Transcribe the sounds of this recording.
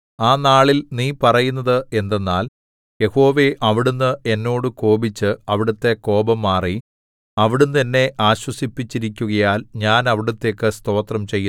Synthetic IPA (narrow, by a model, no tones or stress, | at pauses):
aːnaːɭilniːpɐrɐjunːɐðɨe̞nd̪e̞nːaːl | je̞ho̞ːʋe̞ʔɐʋiɽunːɨʔe̞nːo̞ːɽɨko̞ːbit͡ɕːɨɐʋiɽɐt̪ːe̞ko̞ːbɐmːaːri | ɐʋiɽunːenːe̞ʔaːɕwɐsipːit͡ɕːiɾikʲːuɣɐjaːlɲaːnɐʋiɽut̪ːe̞ːkːɨst̪o̞ːt̪rɐmt͡ɕe̞jːu